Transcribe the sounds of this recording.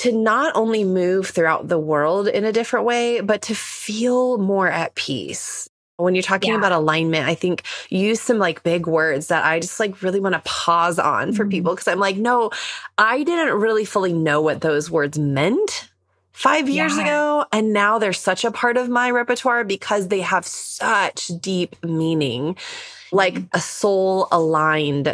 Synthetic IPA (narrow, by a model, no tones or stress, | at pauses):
tʰɨnəɾõ̰ʊ̃nlimʉv̥θɹʉaʊt̪̚ðəwɜ˞lˠdɪ̰̃nɨdɪfɹɨ̃nʔweɪbʌtʰɨfilˠmɔɹɨt̚pʰḭs | wə̃njə˞tʰɔkɪ̃ŋəbaʊɾəlãɪ̃nmɨ̃ntaɪθɪ̃ŋkjʉz̥sʌ̃mlaɪk̚b̥ɪɡwɜ˞dzðəɾʔa̰ɪd͡ʒʌst̚ˡlaɪkɹɪlˠiwɑ̃ñəpʰɔzn̩fə˞pipl̩ˠkʰʌz̥ãɪ̃mlaɪk̚noʊʔaɪdɪdⁿn̩n̩t̚ɹɪlˠifʊlˠinoʊwʌt̪̚ðoʊzwɜ˞dzmɛ̃nt | faɪvjɪɹzɨɡoʊɨ̃nːaʊðə˞z̥sʌt͡ʃəpʰɑɹɾʌvmaɪɹɛpə˞tʰwɑɹbɨkʰʌzðeɪəv̥sʌt͡ʃd̥ip̚mĩnɪ̰̃ŋ | laɪkʔəsoʊlˠəlãɪ̃nd̥